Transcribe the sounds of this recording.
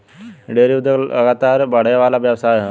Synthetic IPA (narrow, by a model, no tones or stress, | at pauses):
ɖeɾiud̪ələ̰ɡat̪aɾbaɽjʋalaʋjəwsaj